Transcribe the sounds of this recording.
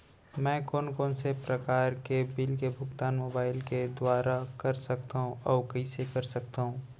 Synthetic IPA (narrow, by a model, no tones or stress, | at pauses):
mɛ̃ːkɔːnkɔːnsepɾɐkaːɾkebɪlkebʱʊɡt̪aːnmoːbaːɪlked̪waːɾakɐɾsɐkt̪aɦũɔːɾkɐisekɐɾsɐk̚t̪aːɦũː